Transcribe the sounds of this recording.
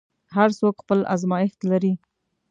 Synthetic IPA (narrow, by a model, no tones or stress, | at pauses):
ɦaɾsokxpəla̰zmɑjɪxt̪laɾi